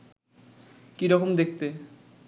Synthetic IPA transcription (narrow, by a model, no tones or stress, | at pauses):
kiɾɔkomd̪ek̚ʰt̪e